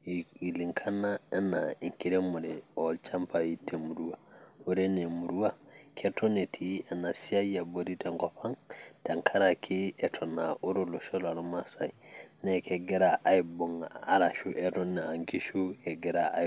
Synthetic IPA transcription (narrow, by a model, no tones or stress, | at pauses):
iliŋkʰanːaɛnːaiŋkiɾɛmuɾɛɔlt͡ʃampajitʰːemuɾuwauɾɛnɛmuɾuwakʰɛtɔnetʰianːasiajaboɾitɛŋkɔpaŋtaŋkʰaɾakʰiɛtʰɔnaʔuɾolɔʃɔlaɾmasainɛkʰɛɡɛɾaʔajbɔŋaːɾaʃuʔɛtɔnːaaŋkiʃukɛɡɛɾaa̰